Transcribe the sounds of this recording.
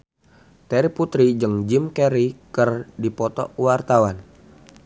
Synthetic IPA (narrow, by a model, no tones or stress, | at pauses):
t̪ɛɾiput̪ɾid͡ʒɨŋd͡ʒimkɛɾikərdipɔt̪ɔ̰ʔwart̪awan